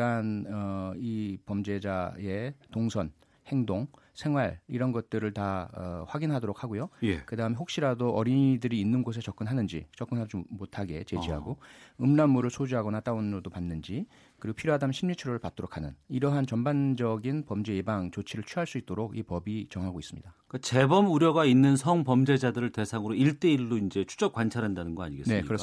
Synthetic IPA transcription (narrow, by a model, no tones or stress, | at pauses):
anʌipʌmd͡ʑe̞d͡ʑae̞toŋsʰʌn | he̞ŋdoŋ | sʰe̞ŋɦwaɭḭɾʌnɡʌt̚t͈ɯɾɯɭtaʌɸwaɡinɦadoɾok̚ʰhaɡojojekɯdaɯmeɦok̚ɕ͈iɾadoʔʌɾiɲidɯɾiːnːɯnɡos̬ʰet͡ɕʌk͈ɯnɦanɯnd͡ʑḭt͡ɕʌk͈ɯnɦad͡ʑimotʰaɡe̞t͡ɕe̞d͡ʑiɦa̰ɡoɯmnamːuɾɯɭsʰod͡ʑuɦaɡʌnat͈aunɾodopanːɯnd͡ʑi | kɯɾiɡopʰiɾoadamɕʰimɲit͡ɕʰiɾoɾɯɭpat̚t͈oɾokʰanɯniɾʌɦant͡ɕʌmband͡ʑʌɡinpʌmd͡ʑe̞jebaŋt͡ɕot͡ɕʰiɾɯɭt͡ɕʰiɦaɭs͈uit̚t͈oɾoɡḭpʌbit͡ɕʌŋɦaɡois͈ɯmɲḭd̥ak͈at͡ɕe̞bʌmuɾjʌɡainːɯnsʰʌŋpʌmd͡ʑe̞d͡ʑadɯɾɯɭte̞sʰaŋɯɾoiɭt͈e̞iɭːoind͡ʑe̞t͡ɕʰu̥t͡ɕʌk̚kwant͡ɕʰaɾɦandanɯnɡʌa̰ɲiɡesnne̞kkɯɾe